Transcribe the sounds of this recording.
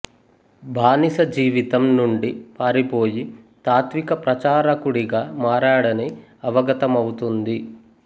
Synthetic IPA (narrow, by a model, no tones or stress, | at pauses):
bʱaːnisɐd͡ʒiːʋit̪ɐmnuɳɖipaːɾipo̞ːjit̪aːt̪ʋikɐpɾɐt͡ʃaːɾɐkuɽiɡaːmaːɾaːɽɐniɐʋɐɡɐt̪ɐmɐwut̪und̪i